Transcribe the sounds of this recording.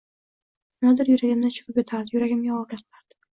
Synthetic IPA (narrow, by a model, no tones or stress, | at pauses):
nad̪ɪɾjʊɾaɡʲɪmd̪aʃʰʊ̥kʲʰʊpjet̪ʰaɾd̪ɪjʊɾaɡʲɪmɡʲaɒlʲaqʰɨlaɾd̪̥ɪ̥